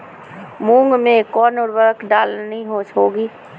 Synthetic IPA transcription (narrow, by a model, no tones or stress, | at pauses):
mũːŋɡmẽkɔːnʊɾʋəɾkɖaːlnəɦĩɦoːʃɦoːɡiː